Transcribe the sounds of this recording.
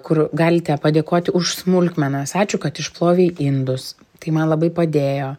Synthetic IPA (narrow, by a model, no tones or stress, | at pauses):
kʊrɡɑːlʲɪt̪ʲɛpɐd̪ʲeːkoːt̪ʲɪʊʃsmʊlʲkmʲɛnɐsɑːt͡ʃʲʊkɐt̪ɪʃplˠoːʋʲeːʔɪnd̪ʊs | t̪ɐɪmɐnlˠɐbɐɪpɐd̪ʲeːjoː